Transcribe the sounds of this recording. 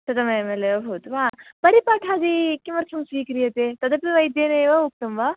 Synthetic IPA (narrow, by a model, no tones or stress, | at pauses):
t̪ɐd̪ɐmɐemɐleʋɐbʱut̪ʋaːpɐɾipaːʈʰaːd͡ʒikimɐɾt͡ʃʰɐmsʋiːkɾijɐt̪et̪ɐd̪ɐpiʋɐjd̪jeːneʋɐuk̚t̪ɐmʋa